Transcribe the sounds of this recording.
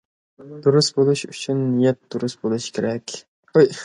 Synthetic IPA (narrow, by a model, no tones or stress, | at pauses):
d̪̥uɾusbolˠuʃyt͡ʃʰynːijɛt̪̚d̪uɾusbolˠuʃkʲʰeɾɛkʲ | oj